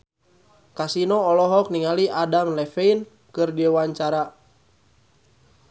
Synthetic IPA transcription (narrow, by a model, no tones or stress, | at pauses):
kasinɔːlɔɦɔk̚niŋaliʔadamlɛfein | kɨrdiwaɲt͡ʃaɾa